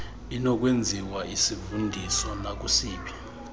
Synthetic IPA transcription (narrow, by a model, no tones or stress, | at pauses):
inɔk̬ʼwend͡zʱiwaisifundʱisɔnak̬ʼusiːpʰi̥